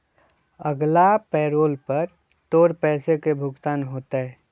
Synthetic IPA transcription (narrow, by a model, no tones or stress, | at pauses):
əɡlapɛːɾoːlpəɾ | t̪oːɾpɛːsekebʱʊɡt̪aːnɦoːt̪eɦɛː